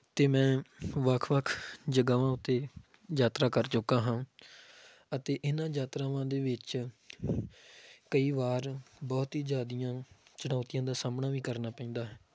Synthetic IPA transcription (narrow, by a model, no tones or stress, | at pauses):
t̪eːmɛ̃ːʋəkʰʋəkʰd͡ʒəɡaːʋãːʊt̪ːeː | d͡ʒaːt̪ɾaːkəɾt͡ʃʊkãːɦãː | ət̪eːʔɪnãːd͡ʒaːt̪ɾaːʋãːd̪eːʋɪt͡ʃ | kəiːʋaːɾbɔːt̪ɦiːd͡ʒaːd̪ijãːt͡ʃəɽaːt̪ijãːd̪aːsaːmnaːʋiːkəɾnaːpɛ̃ĩːnd̪aːɦɛː